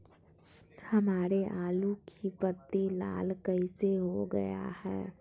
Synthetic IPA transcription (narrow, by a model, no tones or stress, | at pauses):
həmaːɾeʔaːlukʰipət̪ːila̰ːlkəɪseɦoɡə̰ja̰hɛ̰ː